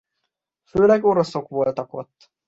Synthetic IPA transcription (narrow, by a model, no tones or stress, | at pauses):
fyølækoɾosokʋolt̪ɑko̰t̪ː